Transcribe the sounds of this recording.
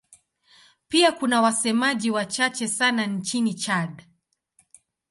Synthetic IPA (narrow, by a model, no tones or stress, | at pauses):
piakunawasɛmaʄiwat͡ʃat͡ʃɛsanant͡ʃinit͡ʃaɗ